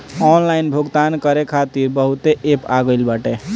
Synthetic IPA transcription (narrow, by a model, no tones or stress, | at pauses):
ɔnlainbʱuɡt̪ankəɾekʰat̪iɾbəɦut̪eʔepaɡəɪlbaʈe